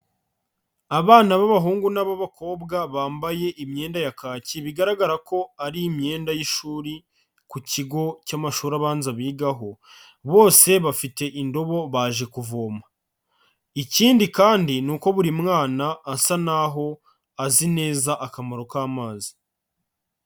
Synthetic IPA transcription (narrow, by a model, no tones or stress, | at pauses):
aβaːnaβaβaɦuːŋɡunaβaβako̞ːbɡaβaːmbaje̞ʔimɲe̞ːndajakaːciβiɡaɾaɡaɾako̞aɾiːmɲe̞ːndajiʃuːɾi | kuciɡo̞camaʃuːɾaβaːnzaβiːɡaɦo̞ | βo̞ːse̞βafite̞ʔindo̞βo̞βaːʒe̞kuvo̞ːma | iciːndikaːndinuko̞βuɾimŋaːnaːsanaɦo̞ | azine̞ːzaʔakamaɾo̞kaːmaːzi̥